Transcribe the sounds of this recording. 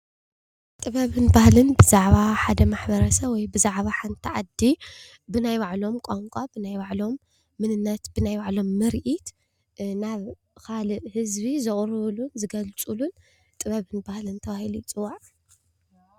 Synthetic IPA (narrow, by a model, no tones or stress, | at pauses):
t̪ʼɨβɐβɨnbahlɨnbɨzaʕβaħad̪ɐmaħbɐɾɐsɐwɔjbɨzaʕβaħant̪ʰiʕad̪ːi | bɨnajwaʕlo̞mkʼaŋkʷʼabɨnajwaʕlo̞mː | ɨnɨnːɐt̪bɨnajwaʕlo̞mːɨɾʔit̪ | naβ | kʰalɨʔhɨzbizɨχʼɾɨβlunzɨɡɐlt͡sʼulun | t̪ʼɨβɐβɨnbahlɨnt̪ʰɐβahilut͡sʼɨwːaʕ